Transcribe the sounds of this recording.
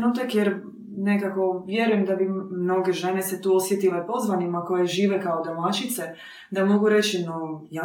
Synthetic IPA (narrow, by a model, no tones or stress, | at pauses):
nut̪̬akjeɾ | ne̞kako̞ʋje̞ɾuje̞md̪abimno̞ɡeʒe̞ne̞set̪uːo̞sʋjet̪ilepo̞zʋanimako̞jeʒiːʋekaod̪omat͡ʃit̪se | d̪amo̞ɡuɾe̞t͡ɕinoja